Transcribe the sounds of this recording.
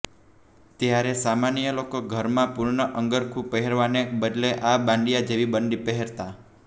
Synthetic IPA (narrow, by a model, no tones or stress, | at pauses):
t̪jaɾesamanijəlokoɡʱəɾmãpuɾɳəʔəŋɡəɾkʰupəɦeɾʋanebəd̪leʔabãɳɖijad͡ʒeʋibəɳɖipəɦeɾt̪a